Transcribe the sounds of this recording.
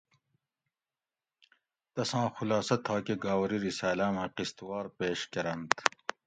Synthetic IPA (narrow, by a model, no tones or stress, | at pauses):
t̪ɐsɑ̃ːxulɑːsɐt̪ʰɑːkeɡaːwɾiɾisaːlaːmãːqist̪wɑːɾpeːʃkɐɾɐnt̪